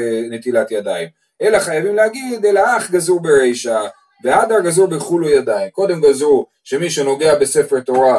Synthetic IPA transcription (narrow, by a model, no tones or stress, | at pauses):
net̪ilat̪jad̪aim | e̞laχajavimlehaɡid̪elaaχɡazuʁbeʁejʃa | vead̪aɡazuɾbeχulujad̪aimko̞d̪e̞mɡazu | ʃe̞miʃeno̞ɡe̞abe̞se̞feʁt̪o̞ʁa